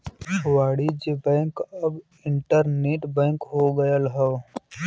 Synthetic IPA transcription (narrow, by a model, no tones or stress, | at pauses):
waːɽid͡ʒebɛ̃ːŋkɐb | ɪ̃ɳʈəɾneːʈbɛ̃ːŋkɦoːɡɐjəlɦɛ